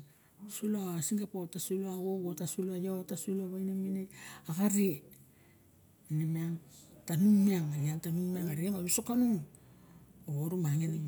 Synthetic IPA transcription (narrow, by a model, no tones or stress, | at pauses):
sulasiŋɡepotasuluaɡoɡotasuluajowatasuluaβajnemineaɣaɾi | nemeaŋtanuŋmeaŋaɾiantanuŋmeaŋaɾiaŋausokanuŋ | ooɾumaŋeni